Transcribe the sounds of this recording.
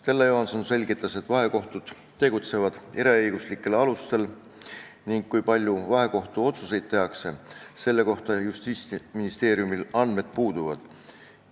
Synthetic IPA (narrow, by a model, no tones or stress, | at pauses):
t̪e̞lːejoɦɑnsonse̞lʲɡit̪ːˑɑse̞t̪ːˑvɑɦe̞ko̞ht̪ud̪̥ | t̪ːe̞ɡ̥ut̪se̞vɑd̪̥eɾeɤjɡ̥uslikːˑe̞lɑlust̪e̞l | niŋɡ̥kːujpɑlʲjuvɑɦe̞ko̞ht̪uo̞t̪suse̞jd̪̥̚t̪ːe̞ɦɑkse̞se̞lːe̞ko̞ht̪ɑjust̪iːsminist̪e̞ːɾiumilɑnd̪̥me̞d̪̥̚puːd̪̥uvɑd̪̥